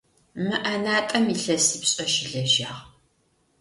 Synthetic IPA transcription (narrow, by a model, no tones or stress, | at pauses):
mɨʔɐnaːtʼɐmiɬɐsiːpɕʼɐʒɪɮɐʒaːʁ